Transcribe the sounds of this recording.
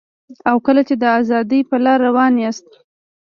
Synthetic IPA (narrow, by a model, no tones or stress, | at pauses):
awkəlat͡ʃed̪əazɑd̪əjpəlɑɾːawɑnjast̪